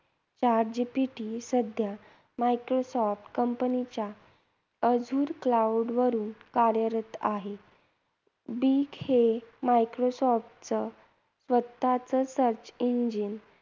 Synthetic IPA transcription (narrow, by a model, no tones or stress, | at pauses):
t͡ɕaɾd͡ʑipiʈisəd̪ʱja | maikɾosɔfʈkəmpənit͡ɕja | əd͡zʱuːɾklauɖʋəɾuːnkaɾjəɾət̪a̰ɦe | bikhemaikɾosɔfʈt͡sə | sʋət̪ːat͡səsəɾt͡ɕiɲd͡ʑin